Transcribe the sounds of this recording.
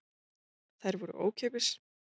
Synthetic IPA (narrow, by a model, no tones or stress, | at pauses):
θajɾvɔɾʏ̰ʔo̰ːwcʰɛːpɪs